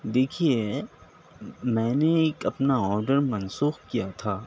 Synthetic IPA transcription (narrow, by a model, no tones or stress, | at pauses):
d̪eːkʰie | mɛ̃ːneeːkɐpnaɔːɾɖəɾmɐnsuːxkijat̪ʰaː